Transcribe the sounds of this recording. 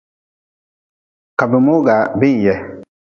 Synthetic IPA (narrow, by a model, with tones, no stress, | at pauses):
ka˨bɪ˨mo˦ɡa˨bɪ˦ŋ˨jɛ˦